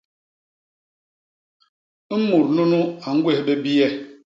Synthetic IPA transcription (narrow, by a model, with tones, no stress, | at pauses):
m̩˦mu˨ɾnu˦nu˦a˨ŋ̩˦ɡwe˦hɓe˦bi˦ɛ˦